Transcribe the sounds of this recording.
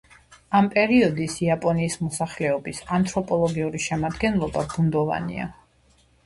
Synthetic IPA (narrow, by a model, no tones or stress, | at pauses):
ampʼɛɾiɔd̪isiapʼɔniːsmɔsaχlɛɔbisant̪ʼɾɔpʼɔlˠɔɡiuɾiʃɛmad̪ɡɛnlˠɔbabund̪ɔva̰nḭa̰